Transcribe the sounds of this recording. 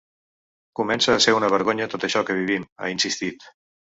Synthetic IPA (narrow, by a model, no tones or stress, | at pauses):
kumɛnsəːseunəβ̞əɾɣoɲət̪ot̪əʃɔkəβ̞iβ̞ima̰insist̪it̪